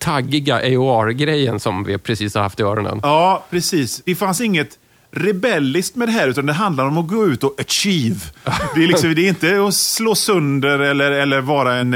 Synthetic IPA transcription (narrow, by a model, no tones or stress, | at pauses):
t̪ʰaɡːɪɡaʔɛʊɑɾɡɾɛjːə̰nsɔmvɪ̰pʰɾɛsiːshaɾha̰ft̪ɪœːɾɔnd̪ə̰nɑːpʰɾɛsiːsd̪̥ɛfansɪŋːət̪ | ɾɛbɛlːɪst̪mɛd̪ɛɦæːɾʉ̟ːt̪and̪ɛɦand̪laɾɔmɔɡoːʉ̟ːt̪ɔʔæʂiːvd̪ɛɾlɪksɔmd̪ɛɾɪnt̪əɔsloːsɵnd̪əɾɛlːəɾɛlːəɾvɑːɾaɛn